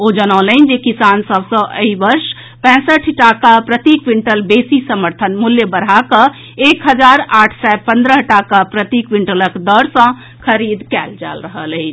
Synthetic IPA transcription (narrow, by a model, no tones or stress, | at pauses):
od͡ʒənələnd͡ʒekisansəbsə̃ʔə̰ibəɾs | pɛ̃səʈʰʈakapɾət̪ikwiɳʈəlbesisəməɾt̪ʰənmuljəbəɾɦakə̃ | ekɦəd͡ʒaɾaʈʰsapə̃nd̪ɾəɦʈakapɾət̪ikwiɳʈələkd̪əɾsə̃ | kʰəɾid̪kɛld͡ʒa̰lɾəɦələɪt͡ʃʰ